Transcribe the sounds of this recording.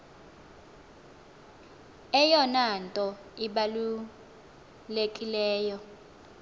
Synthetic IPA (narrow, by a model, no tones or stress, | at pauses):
ɛjɔnantʼɔ | iɓalu | lekʼilɛːjɔ